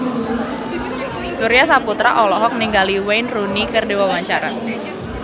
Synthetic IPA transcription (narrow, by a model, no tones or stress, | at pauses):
suɾijasaput̪ɾa̰ʔɔlɔɦɔk̚niŋɡaliwejnrunikɨrdewawaɲt͡ʃaɾa